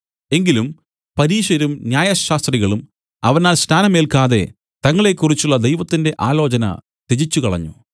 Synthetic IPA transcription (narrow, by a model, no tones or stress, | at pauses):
e̞ŋɡilum | pɐɾiːɕɐɾumnjaːjɐɕaːst̪riɣɐɭum | ɐʋɐnaːlsnaːnɐme̞ːlkaːðe̞ | t̪ɐŋːɐɭe̞kːurit͡ɕːuɭːɐd̪ejʋɐt̪ːinde̞ʔaːlo̞ːt͡ɕɐnɐ̰ | t̪et͡ɕit͡ɕːukɐɭɐ̰ɲːṵ